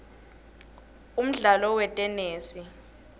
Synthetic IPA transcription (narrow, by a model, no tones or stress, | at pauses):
um̩ɮalɔwɛtʼɛneːsi